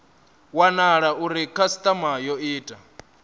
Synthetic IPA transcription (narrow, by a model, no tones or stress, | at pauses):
wanaɺaʔuɾikʰasi̥t̪ʼamajɔiːtʼa